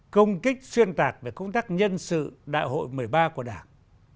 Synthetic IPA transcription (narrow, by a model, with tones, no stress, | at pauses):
kə˧wŋ͡mkï˦˥k̚swi˧ənt̪aː˨˩k̚ve˨˩kə˧wŋ͡mt̪aː˦˥k̚ɲə˧nsɨ̰˧˨ɗa̰ː˧˨jɦo̰˧˨jmɨ˨˩əjɓaː˧ku˧˩əɗaː˧˩ŋ